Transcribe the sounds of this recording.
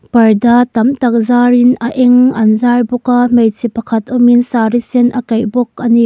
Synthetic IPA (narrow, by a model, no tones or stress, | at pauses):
pɐrdat̪ɐmtɐk̚zaɾinɐʔɛŋɐnzarbɔkamejt͡sʰipɐkʰɐt̪ɔminsaɾisinʔɐkɐjbɔk̚ɐni